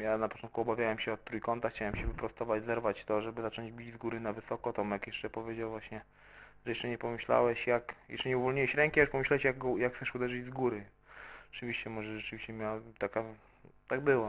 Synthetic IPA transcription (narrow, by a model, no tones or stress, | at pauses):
janapɔ̥tɔnt̪kuɔbavʲjawɛmɕɛɔt̪ːɾujkɔnt̪axt͡ɕawɛmɕɛvɘpɾɔst̪ɔvad͡ʑzɛɾvat͡ɕt̪ɔʐɛbɘzat͡ʂɔ̃ɲd͡ʑbʲid͡ʑzɡuɾɘnavɘsɔkɔt̪ɔmjakjɛʂt͡ʂɛpɔvʲjed͡ʑawvwaɕɲɛ | ʐɛjɛʂt͡ʂɛɲɛpɔmɘɕla̰wɛɕjakjɛ̰sʂt͡ʂɛɲɛuvɔlɲiwɛɕɾɛŋkʲiaʂpɔmɘɕlawɛɕjaɡɡɔjakxt̪sɛʂud̪ɛʐɨd͡ʑzɡuɾɘ | ɔt͡ʂɨvʲiɕt͡ɕɛmɔʐɛʐɛt͡ʂɘvʲiɕt͡ɕɛmʲjawt̪aka | t̪aɡ̚bɘwa